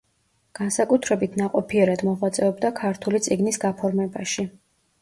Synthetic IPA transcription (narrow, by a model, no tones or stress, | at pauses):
ɡ̥ansakʼut̪ʰɾɛbit̪ʰnaqʼɔpʰiɛɾad̪mɔʁwat̪sʼɛɔbd̪akʰaɾt̪ʰulit̪sʼiɡnisɡapʰɔɾmɛbaʃi